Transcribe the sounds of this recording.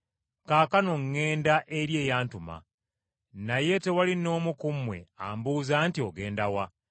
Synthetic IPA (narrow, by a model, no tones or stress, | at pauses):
kaːkanoŋːe̞ːndaʔeɾje̞ːjaːntuma̰ | naje̞te̞walino̞ːmukumwe̞̰a̰ːmbuːzaːntio̞ɡe̞ːndawa